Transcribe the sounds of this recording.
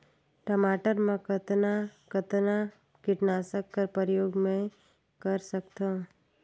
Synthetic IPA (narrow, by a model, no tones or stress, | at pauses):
ʈəmaːʈəɾmẽkət̪nakət̪na | kɪʈnaːsəkːəɾpəɾjoːɡmẽ | kɐɾsəkt̪ã